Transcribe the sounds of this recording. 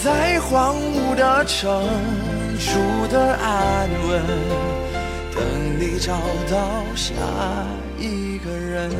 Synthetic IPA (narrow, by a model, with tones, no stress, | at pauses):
t͡sa˥ɪxwɑ˧˥ŋ | u˨˩d̪ə˧ʈ͡ʂʰə˧˥ŋŋ | ʂu˧˥d̪ə˧ʔa˥˩nlwə˧˥n | t̪ə̰˧˩ŋli˧ʈ͡ʂɑ˨˩ŋt̪ɑ˥˧ʊɕja̰˧˥ | i˧˩ | ɡə˩ɻə˧˥n